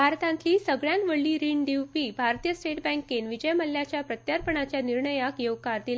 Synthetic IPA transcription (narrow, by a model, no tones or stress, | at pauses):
bʱaɾt̪ãnt̪liːsəɡɭjanʋəɭːiːɾiɳɖ̪iwpiːbʱaɾt̪ijəsʈeʈbɛ̃ŋkːenʋid͡ʑəjməlːjat͡ɕjapɾət̪jaɾpəɳat͡ɕjaniɾɳəjakjowkaɾd̪il